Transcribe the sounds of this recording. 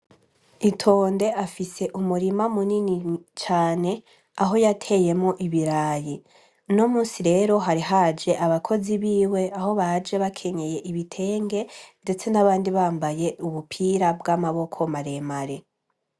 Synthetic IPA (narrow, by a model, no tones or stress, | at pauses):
itʰo̞ːnde̞ʔafise̞ʔumuɾimamuninit͡ʃaːne̞ | aɦo̞jatʰe̞je̞moʔiβiɾaːji | nomuːnsiɾe̞ːɾo̞ɦaɾiɦad͡ʒe̞ʔaβakʰo̞ziβiːwe̞aɦo̞βad͡ʒe̞βakʰe̞ɲe̞je̞ʔiβitʰe̞ːŋɡe̞nde̞t͡se̞naβaːndiβaːmbajeuβupʰiːɾab̚ɡaːmaβo̞kʰo̞maɾe̞maɾe̞